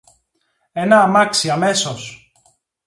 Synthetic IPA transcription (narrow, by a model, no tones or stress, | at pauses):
e̞nɐːmɐksiɐme̞so̞s